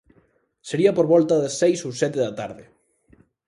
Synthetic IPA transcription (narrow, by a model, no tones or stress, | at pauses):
seɾiapoɾβɔlt̪aðesejsowsɛt̪eðat̪a̰ɾðɪ